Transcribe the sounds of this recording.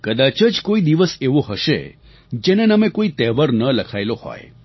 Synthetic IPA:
kəd̪at͡ʃəd͡ʒkoid̪iʋəseʋoɦəʃḛ | d͡ʒenenəmekoit̪ɛʋəɾnələkʰajlohɔ̰j

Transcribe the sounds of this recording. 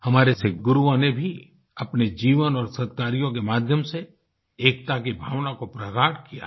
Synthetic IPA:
hɐmaːɾesɪkɡʊɾuõnebʱi | ɐpned͡ʒiːʋənɔːɾsɐd̪̚kaːɾijõk̬emaːd̪ʱjəmse | eːk̚t̪ak̬ibʱaːʋnakopɾɐɡaːʈʰkija̰

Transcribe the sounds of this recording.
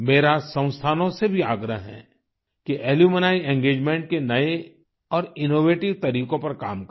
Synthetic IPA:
meːɾasə̃ʊ̃st̪ʰaːnõsebʱiaːɡɾəɦɦɛ̰̃ː | kiʔeːljumənaːiɛ̃ːŋɡeːd͡ʒmɛ̃ːɳʈ̚kenɐe | ɔːɾɪnoːʋeːʈɪʋt̪ɐɾiːkõpɐɾkaːmk

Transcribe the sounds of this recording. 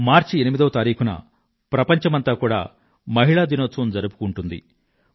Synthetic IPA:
maːɾt͡ʃienimid̪ɐʋɐt̪aːɾiːkʰunɐ̰ | pɾɐpɐɲt͡ʃɐmɐnt̪aːkuːɽa̰ː | mɐɦiɭaːd̪inoːt̪sɐmd͡ʒɐɾupu̥kuɳʈund̪ḭ

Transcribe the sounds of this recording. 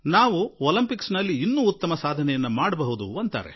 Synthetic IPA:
naːʋuoːlɐmpiksnɐlːiːnːuːt̪ːɐmɐsaːd̪ʱɐnɛjɐnːɐmaːɽɐbɐɦud̪ṵɐnt̪a̰ːɾe̞̰

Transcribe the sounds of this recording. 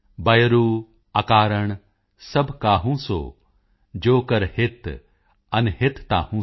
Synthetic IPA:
bɐjɾuː | akaːɾəɽ̃ | sɐbʱkaːɦũːso̰ː | d͡ʒoːkəɾhɪt̪ | ɐnɦɪt̪t̪a̰ːhũ

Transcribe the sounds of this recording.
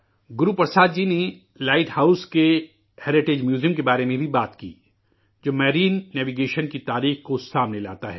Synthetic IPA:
ɡʊɾupɐɾsaːd̪d͡ʒiːne | laːɪʈhaːʊske | hɛːɾɪʈed͡ʒmjuːzijəmkebaːɾemẽbʱibaːt̪kḭː | d͡ʒoːmɛːɾiːnːɛːʋiɡeːʃənkit̪aːɾiːxkosaːmnela̰ːt̪aɦɛː

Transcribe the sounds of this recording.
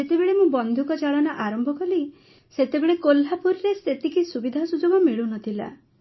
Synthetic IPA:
et̪ebeɭemũbɔnd̪ʱukɔt͡ʃaɭɔnaʔaɾɔmbʱɔkɔli | set̪ebeɭekolːapuɾɾeset̪ikisubid̪ʱasud͡ʒoɡɔmiɭunɔt̪ʰila̰

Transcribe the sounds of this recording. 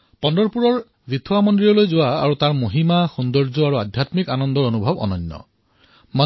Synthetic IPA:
pɔndɔɹpuɹɔɹ | bit̪ʰuwamɔndɹiɔlojzowaa̰ɹut̪aɹmuɦimaxund̪ɔɹd͡ʒɔaɹuad̪ʱjat̪mikanɔnd̪ɔɹonubʱɔbɔ̰nɔnːɔ̰ | ma

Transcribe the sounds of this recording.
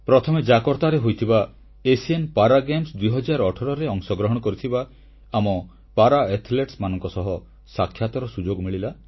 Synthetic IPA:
pɾɔt̪ʰɔmed͡ʒakɔɾt̪aɾeɦojt̪ʰiba | esienpaɾaɡemsd̪uiɦɔd͡ʒaɾɔʈʰɔɾɔɾeɔŋsɔɡɾɔɦɔɽ̃ɔkɔɾit̪ʰibaː | mɔ | paɾaet̪ʰleʈsmanɔŋkɔsɔɦɔ | sakʰːjat̪ɔɾɔsud͡ʒoɡmiɭila

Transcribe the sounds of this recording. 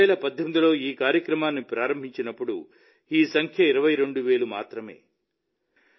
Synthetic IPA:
ɛːɭɐpɐd̪ʱjomd̪ilo̞ːiːkaːɾjɐkɾɐmaːnːipɾaːɾɐmbʱiɲt͡ʃinɐpːuɽṵ | iːsɐŋkʰjɐiɾɐʋɐjɾe̞ɳɖuʋe̞ːɭumaːt̪ɾɐme̞̰ː

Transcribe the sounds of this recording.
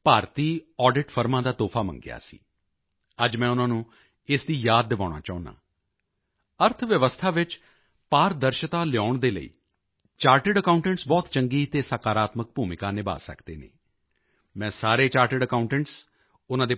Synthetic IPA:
paːɾt̪iːɔːɖɪʈpʰəɾmãːd̪aːt̪oːpʰaːmə̰ŋɡɪ̰a̰ːsḭː | əd͡ʒmɛ̃ːʊnãːnũː | ɪsd̪iːjaːd̪ːɪʋaːɽ̃a̰ːt͡ʃaːʊna̰ː | əɾt̪ʰʋjəʋəst̪ʰaːʋɪt͡ʃ | paːɾd̪əɾʃət̪aːlɪjaːʊɳd̪eːlə̰ḭː | t͡ʃaːɾʈɪɖəkaːʊ̃ɳʈɛ̃ɳʈsbɔːt̪t͡ʃəŋɡiːt̪eːsaːkaːɾaːt̪mək̚bʱuːmɪkaːnɪba̰ːsə̰kd̪ḛːnḛː | mɛ̃ːsaːɾeːt͡ʃaːɾʈɪɖəkaʊ̃ɳʈɛɳʈs | ʊnãːd̪eː

